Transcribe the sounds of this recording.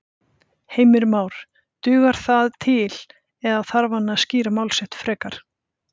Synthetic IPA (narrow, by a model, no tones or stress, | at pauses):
heːjmɪɾmaːwɾ̥ | t̪ʏːɣaɾ̥θaðt̪ʰɪl | ɛðaθaɾvanːasciːɾamaːwlsɛht̪fɾɛːkaɾ̥